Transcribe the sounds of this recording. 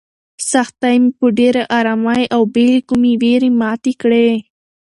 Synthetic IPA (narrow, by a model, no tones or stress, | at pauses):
saxt̪ajmipoɖeɾaʔaːɾamajʔawbelikumiweɾimɑːt̪ikɽe